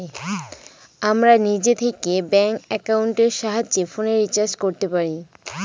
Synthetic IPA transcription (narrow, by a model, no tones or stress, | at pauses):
amɾanid͡ʑet̪ʰekebɛŋkɛkawɳʈeɾʃaɦad͡ʑd͡ʑefoneɾːit͡ɕaɾd͡ʑkoɾt̪epaɾi